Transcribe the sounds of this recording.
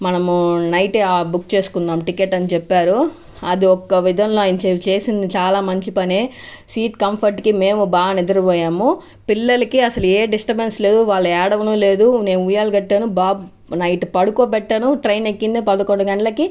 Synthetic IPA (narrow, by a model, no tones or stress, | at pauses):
mɐnɐmnɐjʈeaːbukt͡ʃe̞ːsu̥kund̪aːmʈikeʈːɐnit͡ʃɛpːaːɾu | ɐd̪iɔkːɐʋid̪ʱɐmloːajnɐt͡ʃeːt͡ʃe̞ːsind̪it͡ʃaːlaːmɐɲt͡ʃipɐneːsiːʈkɐmpʰɐɾʈkime̞ːmubaːɡɐned̪ɐɾɐpɔːjaːmu | pilːɐlɐkiɐsɐlueːɖisʈɐbensle̞ːd̪uʋaːɭːɐɛːɽɐʋɐnuːle̞ːd̪une̞ːmuujaːluɡɐʈːeːnubaːb | nɐjʈpɐɽukoːpɛʈːɐnuʈɾɐjnekːind̪ipɐd̪ɐkoɳɖɐɡɐɳʈɐlɐki